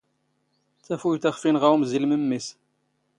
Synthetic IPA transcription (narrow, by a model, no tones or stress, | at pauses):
t͡sːæfujt̪æχfinʁawmzilməmːis